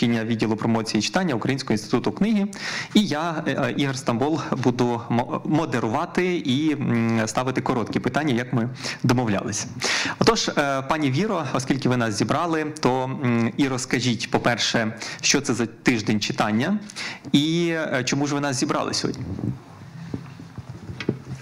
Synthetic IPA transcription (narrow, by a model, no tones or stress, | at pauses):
ɪnʲːɐʋʲidʲilˠʊpɾɔmɔt͡sʲijit͡ʃɪ̥t̪ɑnʲːɐʊkɾɐjinʲsʲkɔɦinst̪ɪ̥t̪ut̪ʊknɪɦiijaiɦɛrst̪ɐmbɔlˠbud̪ʊmɔd̪eɾʊʋɑt̪ɪist̪ɑʋɪt̪ɪkɔɾɔt̪kʲipɪt̪ɑnʲːɐjɐkmɪd̪ɔmɔwlʲɑ̰lˠɪsʲɐ̥ɔt̪ɔʒpɑnʲiʋʲiɾɔɔskʲilʲkɪʋɪnɑs̬zʲibɾɑlˠɪt̪ɔiɾɔskɐʒʲitʲpɔpɛrʃɛʃt͡ʃɔt̪sɛzɐt̪ɪʒd̪ɛnʲt͡ʃɪt̪ɑnʲːɐit͡ʃɔmuʒʋɪnɑszʲibɾɑ̰lˠɪ̰sʲɦɔ̰dʲnʲi